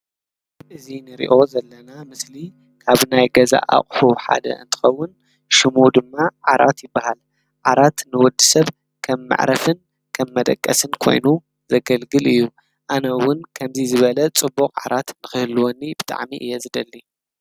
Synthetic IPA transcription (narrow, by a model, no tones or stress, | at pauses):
ʔɨzinɨɾḭʔo̞zɐlːɐnamɨsli | kʰaβnajɡɐza̰ʔa̰χʼħuħa̰d̪ɐ̰ʔɨ̰nt̪ʰɨ̥xɐwːʊn | ʃɨmud̪ɨmːaʕaɾʔa̰t̪jɪbːahal | ʕaɾat̪nɨwɔd̪ːɨsɐβ | kʰɐmːa̰ʕɾʔɐfɨn | kʰɐmːɐd̪ɐ̰kʼːɐsɨnkʰo̞̰jnu | zɐɡɐlɡɨlɨjːu | ʔanɐwʊnkʰɐmzizɨβɐlɐt͡sʼɨbːukʼʕa̰ɾat̪nɨxɨhɨlːuwonːibɨt̪ʼa̰ʕmiʔɨ̰jɛzɨd̪ɐlːi